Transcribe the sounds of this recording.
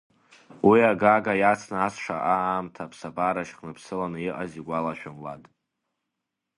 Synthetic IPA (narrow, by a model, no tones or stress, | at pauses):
wiaɡaɡajat͡sʰnaːsʂa̰ʔaːmtʰapʰsabaɾaʃχnɨpʰsɨlanɨiʔʼaziɡʷalaʃᶣamla̰dʼ